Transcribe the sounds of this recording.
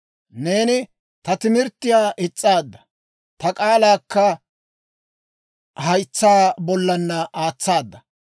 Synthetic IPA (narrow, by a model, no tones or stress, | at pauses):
ne̞ːnɪ | t̪ɐt̪ɪmɪɾt̪ːɪjaːʔɪt͡sʼːaːd̪ːɐ̥ | t̪ɐkʼaːlaːkːɐ | hɐjt͡sːaːbɔlːɐnːɐʔaːt͡sːaːd̪ːɐ